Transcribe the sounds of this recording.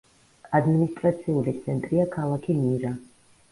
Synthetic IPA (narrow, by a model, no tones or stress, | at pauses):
ad̪minist̪ʼɾat̪sʰiulit̪sʰɛnt̪ʼɾiakʰalˠakʰimiɾa